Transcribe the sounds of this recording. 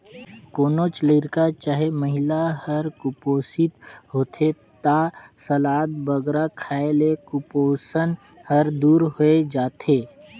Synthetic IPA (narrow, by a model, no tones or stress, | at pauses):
koːnot͡ʃleːɾkat͡ʃaɦeməɦɪlahəɾkʊpoːsɪt̪ɦoːt̪ʰe | t̪aːsəlaːt̪̚bəɡɾakʰaːelekʊpoːsən | həɾd̪uːɾɦoed͡ʒaːt̪eː